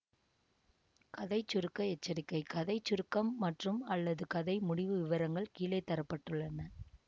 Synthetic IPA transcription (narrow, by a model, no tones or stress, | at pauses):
kɐðɐɪt͡ʃːʊɾɯkːɐɛt͡ʃːɐɾɪkːɐɪkɐðɐɪt͡ʃːʊɾɯkːɐmːɐʈrɯmɐlːɐðɯkɐðɐɪmʊɽɪʋɯʋɪʋɐɾɐŋɡɐɭkiːlɐɪt̪ːɐɾɐpːɐʈːɯɭːɐnɐ